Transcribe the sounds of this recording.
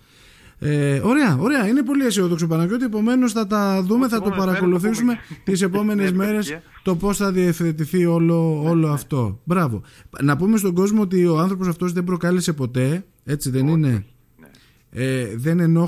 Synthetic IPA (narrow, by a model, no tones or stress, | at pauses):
eo̞ɾeɐo̞ɾeɐine̞po̞liesioðoksop̬ɐnɐceo̞t̪ie̞po̞me̞no̞sθɐt̪ɐðume̞θɐt̪o̞pɐɾɐko̞luθisume̞t̪ise̞po̞me̞ne̞zme̞ɾe̞st̪o̞po̞sθɐðiefθe̞t̪̬iθio̞loolo̞ɐft̪o̞bɾɐvo̞̰nɐpume̞st̪o̞ɡo̞zmoot̪̬io̞ɐnθɾop̬o̞sɐft̪o̞zðe̞bɾo̞kɐlese̞po̞t̪e̞ | e̞t͡siðe̞nine̞ | eðe̞ne̞no̞